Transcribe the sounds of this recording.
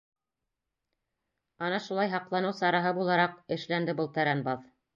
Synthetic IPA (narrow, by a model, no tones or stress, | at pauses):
ɑnɑʃulˠɑjɦɑqlˠɑnɤwsɑɾɑɦɤbulˠɑɾɑqɘ̆ʃlænd̪ɘbɤlˠt̪æɾænbɑð